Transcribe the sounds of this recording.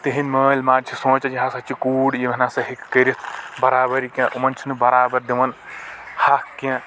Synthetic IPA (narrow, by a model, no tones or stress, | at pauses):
t̪eɦinməːlʲmaːɾt͡ʃʰisõːt͡ʃɐd͡ʒiɦãːsɐt͡ʃʰikuːɽjimɐnaːsɐɦikːɐɾit̪ʰbɐɾaːbɐɾikʲãʔumɐnt͡ʃʰinubɐɾaːbɐɾd̪iʋɐnhakkjã